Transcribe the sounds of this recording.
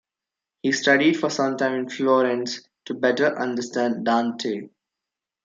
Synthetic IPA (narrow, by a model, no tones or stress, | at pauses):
hiːsʈʌɖiɖfɔːɾsʌ̃mʈãɪ̃mɪ̃nflɔːɾɛ̃ns | ʈubɛʈəɾʔʌ̃ɳɖəsʈæ̃ɳɖɖãːnʈʰeː